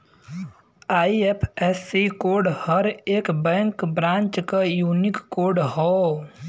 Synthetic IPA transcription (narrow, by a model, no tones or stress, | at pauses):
aːiepʰɛːsikoːɾɖhəɾeːkbɛ̃ːŋkbɾãːnt͡ʃkajuːnɪkːoːɾɖɦɔː